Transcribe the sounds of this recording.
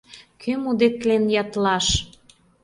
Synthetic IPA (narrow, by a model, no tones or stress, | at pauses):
kʰømud̪et̪̚lenjɑt̪lɑʃ